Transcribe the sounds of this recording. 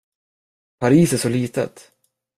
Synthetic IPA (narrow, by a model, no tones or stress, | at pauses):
pʰaɾiːsæʂɔliːt̪ə̰t̪